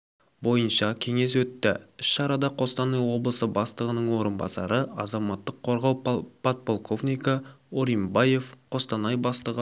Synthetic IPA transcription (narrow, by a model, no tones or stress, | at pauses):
bo̞jənʃɑkʲʰe̞ŋe̞swɵt̪ːɪɪʃʃɑɾɑd̪ɑqʰo̞st̪ɑnɑjwo̞blˠəsəbɑst̪əʁənəɴwo̞ɾənbɑ̰sɑ̰ɾəɑzɑmɑt̪ːəqʰːo̞ɾʁɑwpʰot̪̚po̞lˠkʰo̞vnijkɑoɾimbɑje̞fqʰo̞st̪ɑnɑjbɑst̪əʁə